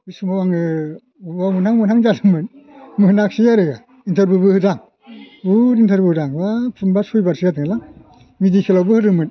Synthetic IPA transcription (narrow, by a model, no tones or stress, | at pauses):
bɯjsumawaŋɯ | ubamunaŋmɯnaŋd͡ʒalɯmɯnmɯhɯnak̚sijaɾɯɡa | intʰaɾbɯbɯhɯzaŋ | uɾintʰaɾbɯhɯzaŋwapʰunbasujbaɾsɯjatʰɯŋlaŋ | midikʰelawbɯhɯɾɯmɯn